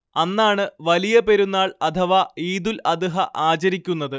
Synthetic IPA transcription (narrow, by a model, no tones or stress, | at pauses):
ɐnːaːɳɨʋɐlijɐpe̞ɾunːaːɭɐt̪ʰɐʋaiːd̪ulɐd̪ɨɦɐʔaːt͡ɕɐɾikʲːunːɐðɨ